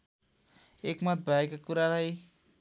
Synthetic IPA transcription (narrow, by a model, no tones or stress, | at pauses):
ekmʌt̪̚bʱaekakuɾaɾʌj